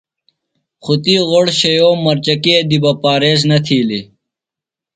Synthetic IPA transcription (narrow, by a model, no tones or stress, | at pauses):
xut̪iːʁoɽɕɐjoːmɐɾt͡ɕɐkid̪ibɐpaːɾeːz̬nɐt̪ʰiːli